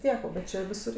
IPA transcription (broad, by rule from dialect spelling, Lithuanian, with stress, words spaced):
ˈtʲiɛk oː bʲɛt ˈt͡ʃʲɛ ʋʲɪˈsʊr